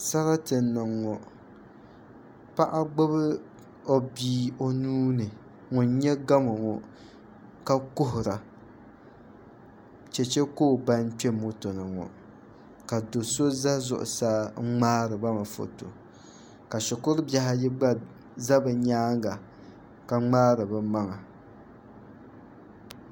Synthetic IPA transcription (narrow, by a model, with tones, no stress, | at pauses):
sa˦la˦tɨ˨nːɨ˨ŋːɔ˨ | pa˦ʔa˦ɡ͡bo˦βɨ˦ | o˦biː˦o˦nuː˦nɨ˨ | ŋʊ˨n˦ɲɛ˦ɡa˦mo˨ŋɔ˨ | ka˦kʊ˦ɦʊ˨ɾa˨ | t͡ʃɛ˨t͡ʃɛ˦koː˦˨ba˦n˦t͡ʃɛ˦mːo˦to˨nɨ˨ŋɔ̰˨ | ka˨do˨so˦za˦zʊ̰˨ʔʊ̰˨saː˦ŋ͡maː˦ɾɨ˨ba˦ma˨fo̰˨to̰˨ | ka˨ʃʊ˨kʊ˦ɾbja˦ha˦jɪ˦ɡ͡ba˦ | za˦bɨ˨ɲaː˦ŋɡa˨ | ka˨ŋ͡maː˦ɾɨ˨bɨ˨ma˦ŋa˨